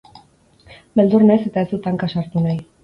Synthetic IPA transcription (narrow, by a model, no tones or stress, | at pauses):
be̞ld̪urnese̞t̪aesut̪aŋkasaɾt̪unaj